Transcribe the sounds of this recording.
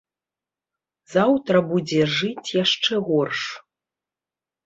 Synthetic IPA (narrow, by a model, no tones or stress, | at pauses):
zawt̪ɾɐbud͡zʲɛʐɨt͡sʲjaʂt͡ʂɛɣɔrʂ